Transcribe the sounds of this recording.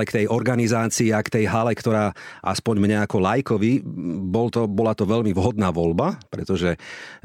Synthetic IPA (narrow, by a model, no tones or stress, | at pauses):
ɛkt̪ɛjʔɔɾɡanizaːt͡siːakt̪ɛjɦalɛkt̪ɔɾaːʔa̰spɔɲmɲɛakɔlajkɔʋibɔlt̪ɔbɔlat̪ɔʋɛʎmiʋɦɔd̪naːʋɔʎbapɾɛt̪ɔʒɛ